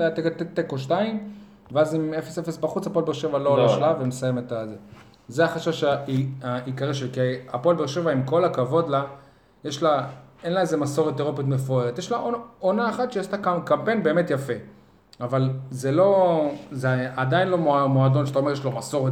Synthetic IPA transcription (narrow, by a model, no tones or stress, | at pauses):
eat̪ekt̪et̪ːekoʃtaim | veazimefesefesbaχut͡sapolbeʁʃevaloloʃlavemesajemet̪aze | zeaχaʃaʃaiaikaʁiʃelkiapolbeʃe̞vaimko̞lakavo̞d̪la | jeʃlaenlaezemaso̞ʁet̪eʁopit̪̬me̞foeʁet̪jeʃlaoonaːχat̪ʃeast̪akakampejnbe̞ːme̞tjafe | avalzelo̞zeadainlo̞momoado̞nʃataoe̞jeʃlomaso̞ʁe